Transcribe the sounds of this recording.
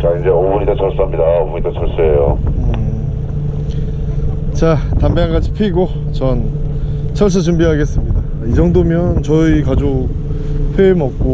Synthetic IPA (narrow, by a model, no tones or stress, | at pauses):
t͡ɕaind͡ʑe̞obuɲid̪at͡ɕʰʌɭs͈ɯɦamɲidaobuɲidat͡ɕʰʌɭs͈eejoɯ | t͡ɕatambaŋɡad͡ʑipʰiɡo | t͡ɕʌn | t͡ɕʰʌɭs̬͈ɯt͡ɕumbiɦaɡe̞s͈ɯmɲida | id͡ʑʌŋdomjʌnt͡ɕʌikad͡ʑo | pʰemʌp̚k͈o